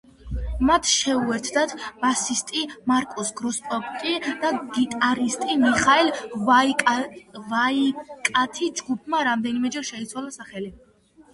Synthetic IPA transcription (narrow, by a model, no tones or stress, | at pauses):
mat̪ʰʃɛuɛɾt̪ʰd̪at̪ʰb̥asist̪ʼimaɾkʼɔsɡɾɔspʼɔɾt̪ʼid̪̥aɡit̪ʼaɾist̪ʼimiχaɛl | vaikʼat̪ʰid͡ʒɡup̚ʰmaɾamd̪ɛnimɛd͡ʒɛɾʃɛit̪sʰwalˠasaχɛli